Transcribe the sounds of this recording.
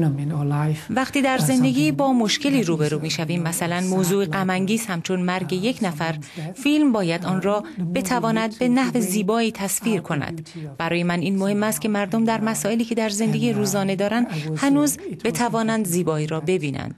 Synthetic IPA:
væqt̪iːd̪æɾze̞nd̪e̞ɟʲiːbɒːmo̞ʃce̞liːɾuːbe̞ɾuːmiːʃæviːmːæsælænmoːzuːeɢæmæŋɟiːzhæmt͡ʃʰo̞nmæɾɟe̞je̞cʰnæfæɾfilmbɒːjæd̪ɒːnrɒːb̥e̞t̪ʰævɒːnæd̪̚be̞næhve̞ziːbɒːiːt̪ʰæsfiːɾkʰo̞næ̰d̪̥b̥æɾɒːje̞mæniːnmo̞he̞mːæst̪kcʰe̞mæɾd̪omd̪æɾmæsɒːe̞liːcʰe̞d̪æɾze̞nd̪e̞ɡiːɾuːzɒːne̞d̪ɒːɾænd̪hænuːz̥e̞t̪ʰævɒːnænd̪ziːbɒːiːɾɒːbe̞biːnæ̰nd̪̥

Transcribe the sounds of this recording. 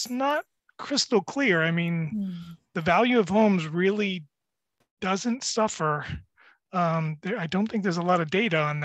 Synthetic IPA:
snət̚ | kʰɹ̥ɪstl̩ˠkʰl̥ɪɹaɪmĩnðɨvælˠjʉʌv̥hõʊ̃mzɹɪlˠi | d̥ʌzɨ̃ntsʌfə˞ | ʌ̃mðə˞aɪdõʊ̃nθɪ̃ŋk̚ðə˞zəlɔɾʌdeɪɾɨə̃nð

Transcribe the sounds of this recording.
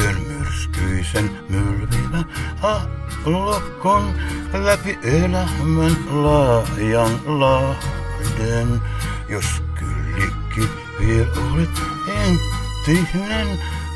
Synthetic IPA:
ønmyrskyisen | mylʋæmːæɑ | lokːonlæpiʔeinɑhmenlɑhjɑnlɑhdenjosky̰lːikkːypːieʔoli | en | t̪ːihnen

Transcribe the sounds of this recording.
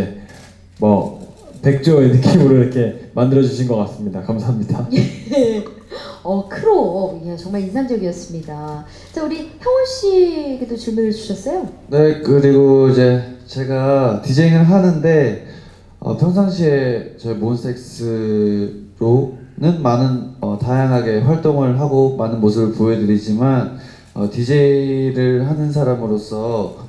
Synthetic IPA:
e̞ | mʌ̰pe̞k̚t͡ɕ͈oiɾʌkʰemuɾoiɾʌkʰe̞mandɯɾʌd͡ʑuɕʰinɡʌk͈as͈ɯmɲidakamsʰaɦamɲidanee | ʌkʰɯɾoat͡ɕʌŋmaɭinsʰand͡ʑʌɡiʌs͈ɯmɲida | t͡ɕ͈auɾiçjʌŋwʌɭɕ͈iɡedot͡ɕumuɾɯɭt͡ɕuɕʰʌs͈ʌjone̞kɯɾiɡoid͡ʑe̞t͡ɕe̞ɡatid͡ʑeiŋɯɭɦanɯnde̞ | ʌ̰pʰjʌŋs̬ʰaŋɕ̬ʰie̞t͡ɕʌimonsʰe̞k̚s͈ɯ | ɾonɯnmanɯnʌtajaŋɦaɡe̞ɸwaɭt͈oŋɯɭɦaɡomanɯnmosʰɯbɯɭpuedɯɾid͡ʑiman | ʌ̰tid͡ʑeiɾɯɭɦanɯns̬ʰaɾamɯɾos͈ʰʌ

